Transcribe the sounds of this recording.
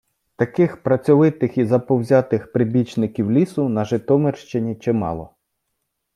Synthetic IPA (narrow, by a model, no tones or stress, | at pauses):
t̪ɐkɪxpɾɐt͡sʲɔʋɪt̪ɪxizɐpɔwzʲɑt̪ɪxpɾɪbʲit͡ʃnɪkʲiwlʲisʊnɐʒɪt̪ɔmerʃt͡ʃenʲit͡ʃɛmɑ̰lˠɔ